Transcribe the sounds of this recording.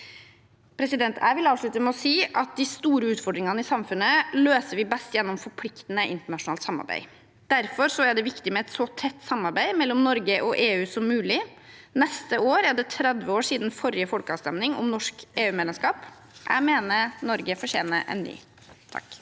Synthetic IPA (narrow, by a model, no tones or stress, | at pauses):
pʰɾɛsɪd̪ɛnt̪ʰæ̰ɪʋɪlɑːʋʂɭʉt̪əmɛɔsiːʔɑt̪̚d̪ɪst̪uːɾəʉːt̪fɔɖɾɪŋɑnəɪsɑmfʉnːəløːsəɾʋɪbɛst̪jɛnːɔmfɔɾpʰlɪkt̪n̩əʔɪ̰nt̪əɳɑʂʊnɑːlt̪sɑmɑ̰ɾbæ̰ɪ | d̪̥æɾfɔɾsɔæɖɛʋɪkt̪ɪmɛɛt̪sɔt̪ʰɛt̪ːsɑmːɑɾbæɪmɛlːɔmnɔɾɡəʔɔʔeːʉːsɔmːʉːlɪnɛst̪əoːɾæɖɛt̪ʰɾɛd̪ʋəoːʂiːd̪n̩fɔɾɪəfɔlkəɑːʋst̪ɛmnɪŋɔ̰mnɔʂkeːʉːmeːd̪ɛmskɑːp | ʔæ̰ɪmeːnənɔɾɡəfɔɕḛːnə̰ʔɛ̰nːy̰ː | t̪ʰɑ̰k